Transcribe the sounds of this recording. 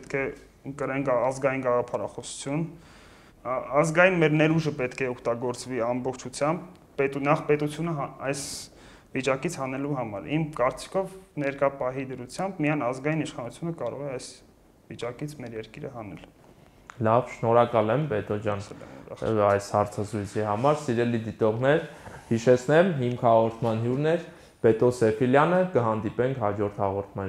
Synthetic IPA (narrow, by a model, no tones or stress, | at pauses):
ɛt̪kʰɛ | əkəɾɛŋkɑzɡɑjinɡɑʁɑpʰɑɾɑ̰χɔsu̥t͡sʰjun | ɑzɡɑjinmɛɾnɛɾuʒəpɛt̪kʰɛɔkʰt̪ɑɡɔɾt͡sviɑmbɔχt͡ʃʰut͡sʰjɑmbː | ɛt̪unɑχpɛt̪ut͡sʰjunəɦɑɑjs | vit͡ʃɑkit͡sʰhɑnɛluɦɑmɑ̰ɾimkɑɾt͡si̥kʰɔvnɛɾkɑpɑɦid̪əɾut͡sʰjɑmbmijɑjnɑzɡɑjiniʃχɑnut͡sʰjunəkɑɾɔ̰ʁɛɑjs | vit͡ʃɑkit͡sʰmɛɾjɛɾkiɾəɦɑnɛ̰l | lɑvʃnɔɾɑkɑlɛmbɛt̪ɔd͡ʒjɑnlɛ̰ṵɾɑ̰ɑjshɑɾt͡sʰɑzɾujt͡sʰiɦɑmɑɾsiɾɛlid̪it̪ɔʁnɛɾhiʃɛt͡sʰnɛmɦimkʰhɑʁɔɾt̪ʰmɑnɦjuɾnɛɾ | b̥ɛt̪ɔsɛfʰiljɑnəkəɦɑnd̪ipɛŋkʰhɑd͡ʒɔɾt̪ʰhɑʁɔɾt̪ʰmɑn